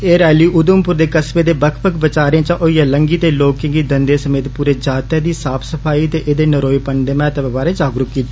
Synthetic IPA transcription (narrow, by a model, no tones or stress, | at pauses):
eːɾɛːliːʔʊd̪ʊmpʊɾd̪eːkəsbeːd̪eːbəkʰpəkbət͡ʃaːɾãːt͡ʃãʔoːiːaːləŋɡiːt̪eːloːkɪ̃ŋɡiːd̪ənd̪eːsəmeːt̪puːɾeːd͡ʒaːt̪jaːd̪iːsaːpʰsəpʰaːiːt̪eːʔeːd̪eːnəɾoːipəɳd̪eːmɛ̃ːt̪əpbaːɾeːd͡ʒaːɡɾʊkːiːt̪ː